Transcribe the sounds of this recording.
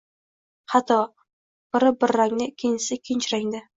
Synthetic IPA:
hat̪ʰɒ | b̥ɪɾɪbɪɾːaŋnɪkʲʰɪnsɪkʲʰɪnt͡ʃɾaŋd̪ɪ

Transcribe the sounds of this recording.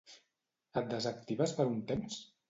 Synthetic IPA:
at̪̚d̪əzak̚t̪iβaspəɾunt̪ɛms

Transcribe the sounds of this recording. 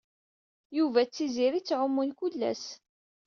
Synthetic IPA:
juvæt͡sːiziɾit͡sːʕʊmːʊnkʊlːæ̰s

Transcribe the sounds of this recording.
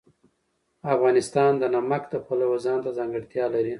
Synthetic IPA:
afɣɑnɪst̪ɑnd̪ənamakd̪əxəlawozɑnt̪azɑŋɡəɽt̪jɑlaɾi

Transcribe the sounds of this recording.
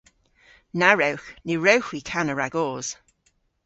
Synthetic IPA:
naɹewxniɹewxwikʰanəɹaɡɔːz̥

